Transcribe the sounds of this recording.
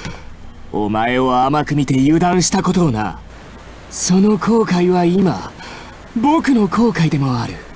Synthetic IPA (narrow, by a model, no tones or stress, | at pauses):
o̞̰mae̞oamakɯ̟mʲit̪e̞jɯːd̪ãɰ̃ɕi̥t̪ako̞t̪o̞na̰ | so̞no̞kʰo̞ːkaiβaima̰ | bo̞kɯ̟no̞kʰo̞ːkaid̪e̞mo̞aɾɯ̟